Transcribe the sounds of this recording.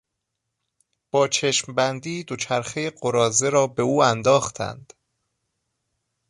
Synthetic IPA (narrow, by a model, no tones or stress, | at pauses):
b̥ɒːt͡ʃʰe̞ʃmbænd̪iːd̪o̞t͡ʃʰæɾxejeɢo̞ɾɒːze̞ɾɒːbe̞uːænd̪ɒːxt̪ʰæ̰nd̪̥